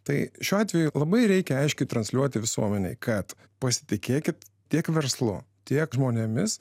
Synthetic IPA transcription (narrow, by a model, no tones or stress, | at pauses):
t̪ɐɪʃʲuːɑːt̪ʲʋʲɛjʊlˠɐbɐɪɾʲɛɪkʲɛɐɪʃʲkʲɛɪt̪ɾɐnsʲlʲuɔt̪ʲɪʋʲɪsṵɔmʲɛnʲɛ̰ɪkʰɐt̪ | pɐsʲɪ̥t̪ʲɪkʲeːkʲɪt̪ | tʲiɛkʋʲɛɾslˠʊ̰t̪ʲiɛkʒmoːnʲemʲɪs